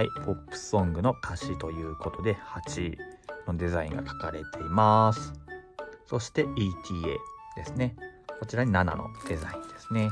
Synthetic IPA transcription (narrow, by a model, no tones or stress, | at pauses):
aipʰo̞pːɯ̟̥sõ̞ŋɡɯ̟no̞kʰaɕit̪o̞jɯ̟ːko̞t̪o̞d̪e̞hat͡ɕino̞d̪e̞zaḭ̃ŋɡa̰kḁkaɾe̞t̪ʰe̞imasɨ̥so̞ɕi̥t̪e̞iːt̪ʲʰiːḛːd̪̥e̞sɨne̞ko̞t͡ɕiɾaɲ̟inana̰no̞̰d̪̥e̞zaĩnd̪̥e̞sɨ̥ne̞